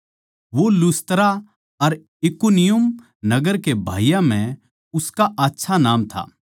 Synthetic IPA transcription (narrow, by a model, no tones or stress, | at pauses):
ʋolʊst̪ɾa | ɐɾ | ɪkunɪjʊm | nɐɡəɾkebʱa̰ːijãmɛ̃ | ʊskaʔaːtːʃʰanaːmt̪ʰa̰ː